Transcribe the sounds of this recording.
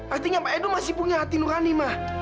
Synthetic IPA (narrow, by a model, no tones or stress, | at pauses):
ʔart̪iɲapaɛdumasipuɲaɦat̪inuɾanimah